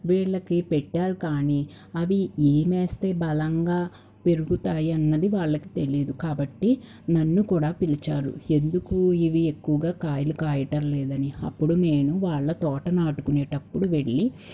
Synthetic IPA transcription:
ʋiːɭːɐkipɛʈːaːɾukaːni | ɐʋieːmeːst̪e̞ːbɐlɐŋɡaː | pe̞ɾuɡut̪aːjiɐnːɐd̪iʋaːɭːɐki̥t̪e̞liːd̪ukaːbɐʈːi | nɐnːukuːɽaːpilit͡ʃaːɾṵe̞nd̪ukuiʋie̞kːuʋɐɡaːkaːjɐlukaːjɐʈɐɾlɛːd̪ɐniɐ̰pːuɽume̞ːnuʋaːɭːɐt̪ɔːʈɐnaːʈukuneːʈɐpːuɽuʋe̞ɭːi

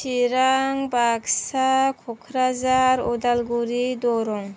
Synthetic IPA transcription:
ʃʰiɾaŋbaɡsakʰokʰɾazaɾɔd̪alɡuɾid̪ɔɾɔŋ

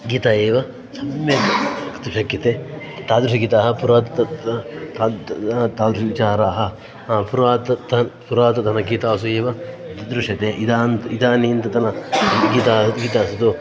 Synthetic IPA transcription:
ɡiːt̪aːeːʋɐ | sɐmjɐɐkt̪uʃɐkjɐt̪eː | t̪aːd̪ɾuʃɐɡiːt̪aːɦɐpuɾaːt̪ɐt̪ː | t̪aːd̪ɾuʃɐʋit͡ʃaːɾaːɦɐ | puɾaːt̪ɐt̪ɐnpuɾaːt̪ɐt̪ɐnɐɡiːt̪aːsueːʋɐt̪ɐd̪ɾuʂɐt̪eːʔid̪aːnt̪id̪aːniːnt̪ɐt̪ɐnɐɡiːt̪aːɡiːt̪aːsut̪u

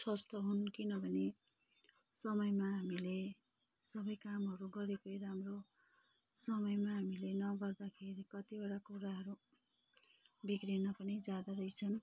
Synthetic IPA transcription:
sʌst̪ʌɦunkinʌbʱʌne | sʌmʌjmaɦamile | sʌbʌjkamɦʌɾuɡʌɾekojɾamro | sʌmʌjmaɦamilenʌɡʌrd̪akʰeɾikʌt̪ibaɽakuɾaɦʌɾu | bikrinapʌnid͡zad̪aɾʌjt͡sʰʌn

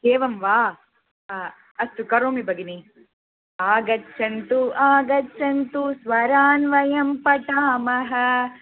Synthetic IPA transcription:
keːʋɐmʋaː | ɐst̪ukɐɾoːmibɐɡini | aːɡɐtːʃʰɐnt̪uʔaːɡɐtːt͡ʃʰːɐnt̪usʋɐɾaːnʋɐjɐmpɐʈaːmɐɦɐ̆

